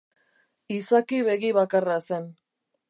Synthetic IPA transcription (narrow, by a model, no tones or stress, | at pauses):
isakiβe̞ɣiβakarase̞n